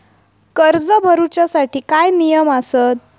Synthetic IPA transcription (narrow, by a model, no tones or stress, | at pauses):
kəɾd͡zəbʱəɾut͡ɕasaʈiːkajnijəmasət̪̚